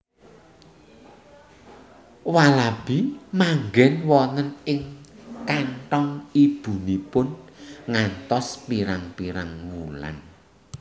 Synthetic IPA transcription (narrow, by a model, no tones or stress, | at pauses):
walab̥imaŋɡɛnwɔnənɪŋkaɳʈɔŋib̥ṳnipʊnŋant̪ɔspiɾaŋpiɾaŋmula̰n